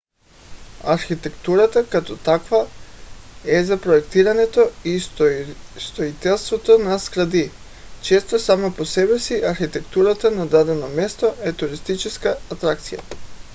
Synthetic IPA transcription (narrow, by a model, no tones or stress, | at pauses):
aɾxit̪ekt̪uɾat̪akat̪ot̪akʋa | ezapɾojekt̪iɾaɲet̪oi | st̪oit̪elˠst̪vot̪onaskɾad̪i | t͡ʃest̪osamaposebɛsiʔaɾxit̪ekt̪uɾat̪anad̪ad̪ɛnomest̪oet̪uɾist̪it͡ʃiskaːt̪ɾakt̪sija̰